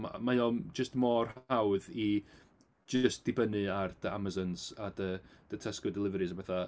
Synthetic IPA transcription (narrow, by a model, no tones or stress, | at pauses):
m̰majɔmd͡ʒəstmɔrhawði | d͡ʒəstd̥ɪbənɨardəa̰mazɔnz̥adəd̥ətʰɛskɔdɛlˠɪvɛɾɨsabɛθa